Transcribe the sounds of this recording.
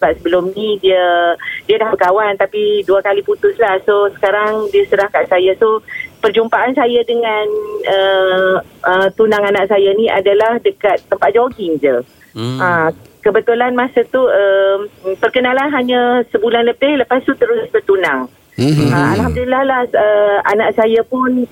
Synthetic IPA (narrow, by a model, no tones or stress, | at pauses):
səbap̚səbəlʊmnĩdiədiadahbəkawant̪apiduakaliput̪ʊslahsosə̥kaɾaŋdiəsənahkaʔsajasopərd͡ʒumpaʔansajadəŋanə | ət̪unãŋanaʔ̚sajanĩʔa̰dalahdəkat̪ːəmpat̪̚d͡ʒoɡɪŋd͡ʒə | əkəbət̪ulanmãsat̪uəmpərkənalanɦaɲãsəbulanləpɪhləpast̪ut̪əɾʊsbərt̪unaŋ | əmalɦamdulilːahlahəa̰naʔsajapʊn